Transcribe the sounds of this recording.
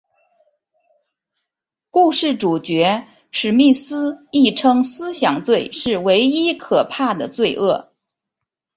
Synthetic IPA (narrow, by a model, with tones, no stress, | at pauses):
ku˥˧ʂɻ̩˥˩ʈ͡ʂu˨˩t͡ɕɥɛ˧˥ | ʂɻ̩˨˩mi˥˩sɹ̩˥i˥˩ʈ͡ʂʰɤ˥ŋsɹ̩˥ɕjɑ˨˩ŋt͡swe˥˩ɪʂɻ̩˥˩we˧˥ɪi˥kʰɤ˨˩pʰa˥˩d̪ə˩t͡swe˥˧ɪʔɤ˥˩